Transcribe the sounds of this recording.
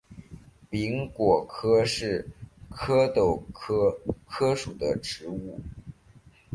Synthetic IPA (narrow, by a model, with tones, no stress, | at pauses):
pi˧˥ŋkwɔ˨˩kʰɤ˥ʂɻ̩˥˩kʰɤ˥t̪o˥˩ʊkʰɤ˥kʰɤ˥ʂu˨˩d̪ə˦ʈ͡ʂɻ̩˧˥u˥˩